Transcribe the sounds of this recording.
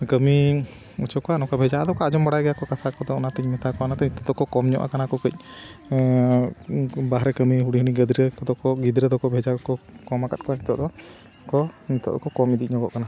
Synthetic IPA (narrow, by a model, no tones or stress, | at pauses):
ɡəmi | ut͡ʃɔkɔanɔkabʱɛd͡ʒaʔad̪ɔkɔad͡ʒɔmbaɽajɡɛjakɔkasakɔd̪ɔɔnat̪ɛcmɛt̪akɔanat̪ɛnit̪ɔd̪ɔkɔkɔmɲɔ̰ʔa̰kanakɔkəc̚ˀ | baɦɾɛkəmiɦuɽiɦuniɡəd̪ɾɛkɔd̪ɔkɔɡid̪ɾɛd̪ɔkɔbʱɛd͡ʒakɔkɔmakat̪̚kɔaɲit̪ɔd̪ɔ | kɔnit̪ɔ̰ʔd̪ɔkɔkɔmid̪ic̚ɲɔɡɔ̰ʔkana